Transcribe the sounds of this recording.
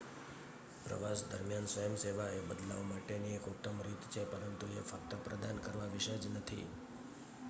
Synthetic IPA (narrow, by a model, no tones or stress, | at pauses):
pɾə̰ʋasd̪ə̰ɾmijansʋəjəmseʋaebəd̪la̰ʋomaʈeniekut̪ːəmɾit̪t͡ʃʰepəɾənt̪uefək̚t̪əpɾəd̪ankəɾʋaʋiʃəd͡ʒnət̪ʰḭ